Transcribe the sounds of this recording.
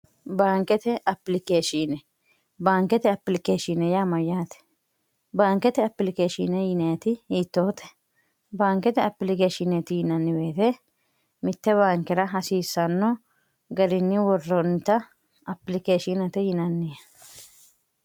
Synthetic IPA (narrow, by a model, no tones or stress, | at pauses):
baːŋkɛt̪ɛʔɐpːɪlɪkeːʃinɛ | baːŋkɛt̪ɛɐpːlɪkeːʃɪnɛjamɐjaːt̪ɛ̥ | baːŋkɛt̪ɛɐpːlɪkeːʃɪ̰nɛjɪnɛt̪ɪhiːt̪ːoːt̪ɛ̥ | baːŋkɛt̪ɛɐpːlɪkeːʃɪnɛt̪ɪjɪnɐnːɪbe̞ːt̪ɛ | mɪt̪ːɛβaːŋkɛɾɐɦɐsiːsːɐnːɔ | ɡɐɾɪnːɪwɔrːɔnt̪ːɐ | ɐpːɪlɪkeːʃɪnɐt̪ɛjɪnɐnːɪjɛ